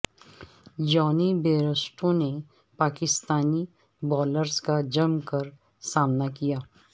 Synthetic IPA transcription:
d͡ʒɔːnibeːɾəsʈõne | paːkɪst̪aːni | bɔːləɾskad͡ʒɐmkɐɾ | saːmnakijaː

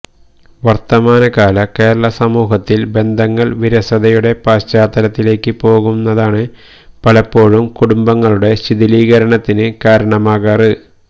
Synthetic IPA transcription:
ʋɐrt̪ɐmaːnɐkaːlɐke̞ːɾɐɭɐsɐmuːɦɐt̪ːilbe̞nd̪ʱɐŋːɐɭʋiɾɐsɐðɐjuɽe̞paːɕt͡ɕaːt̪ːɐlɐt̪ːile̞ːkːɨpo̞ːɣunːɐðaːɳɨ | pɐlɐpːo̞ːɻumkuɽumbɐŋːɐɭuɽe̞ɕiðiliːɣɐɾɐɳɐt̪ːinɨkaːɾɐɳɐmaːɣaːrɨ

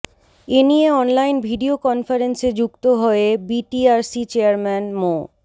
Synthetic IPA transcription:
enijeɔnlajnbʱiɖiokɔnfaɾensed͡ʑuk̚t̪oɦɔebiʈiaɾsit͡ɕeaɾmɛnmo

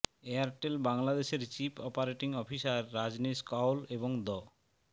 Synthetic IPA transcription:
eaɾʈelbaŋlad̪eʃeɾt͡ɕipʰɔpaɾeʈiŋɔpʰisaɾːad͡ʑniskawleboŋd̪ɔ

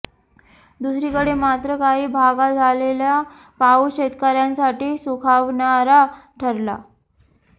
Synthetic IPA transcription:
d̪usɾiːkəɽemat̪ɾəkaɦiːbʱaɡad͡zʱalelja | pauɕet̪kaɾjansaʈiːsukʰaʋɳaɾaʈʰəɾla̰

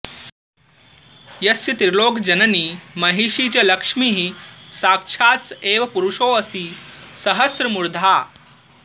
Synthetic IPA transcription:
jɐsjɐt̪iɾloːkd͡ʑɐnəniːmɐɦiʂit͡ɕɐlɐkʂmiːɦisaːkʂʰaːt͡seːʋɐpuɾuʂoəsiːsɐɦəsɾɐmuɾd̪ʱaː

